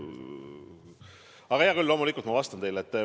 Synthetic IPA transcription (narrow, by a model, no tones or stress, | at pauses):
ɑɡ̥ɑjɑkylːo̞mulikˑult̪mɑvɑst̪ɑnt̪e̞jlet̪ː